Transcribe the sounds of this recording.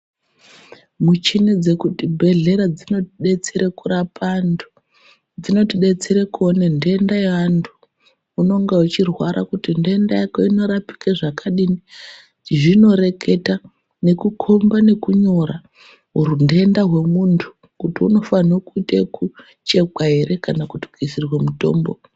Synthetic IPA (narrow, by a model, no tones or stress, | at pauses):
mut͡ʃined͡ze̞kutibʱe̞ɮe̞ɾad͡zino̞tiɗe̞t͡seɾekuɾapʰandu̥ | d͡zino̞tiɗe̞t͡seɾekuonende̞ndajantʰu̥ː | no̞ŋɡeut͡ʃirwaɾa̰kutinde̞ndajakoino̞ɾapi̥kaʐakaɗini | ʐino̞ɾe̞kʰe̞ta | ne̞kukʰo̞mbane̞kuɲo̞ɾa | ɦuɾundeendaɦwe̞muntʰu̥ | kutiuno̞fanokuiteku | t͡ʃe̞kwaɦe̞ɾe̞kanakuti̥kuisirwemuto̞ːmbo